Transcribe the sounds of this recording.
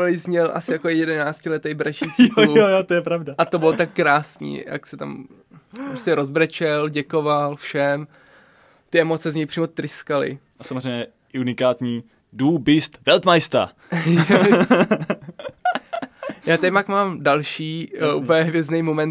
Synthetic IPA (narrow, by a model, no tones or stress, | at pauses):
lɪzɲɛlʔa̰sɪjakojɛdɛnaːt͡scɪlɛt̪ɛjbɾat͡ʃiːsuojot̪ojɛpɾavdaʔat̪obɪlot̪akːɾaːsɲḭːja̰ksɛt̪a̰m | pɾoscɛɾozbɾɛt͡ʃɛlɟɛkovalfʃɛm | t̪ɪɛmo̞t͡sɛzɲɛjpr̥iːmot̪ɾɪskalɪ̰ | ʔasamozɾejmɲɛɛ | ʔunɪkaːt̪ɲiː | duːbɪst̪vɛlt̪majst̪a̰ | jɛ | jaːt̪ɛjmakmaːmdalʃiːʔupəjɛɦvjɛznɛjmomɛn